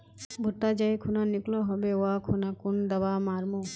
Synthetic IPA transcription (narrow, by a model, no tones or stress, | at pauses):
bʱut̪ːad͡ʒajkʰunanikloɦɔbeoakʰunakund̪ɐbamaɾmo